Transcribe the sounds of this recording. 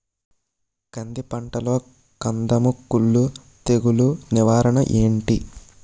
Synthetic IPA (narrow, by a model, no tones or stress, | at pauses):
kɐnd̪ipɐɳʈɐlo̞ː | kɐnd̪ɐmukːuɭːu | t̪eɡuluniʋaːɾɐɳɐʔeːɳʈi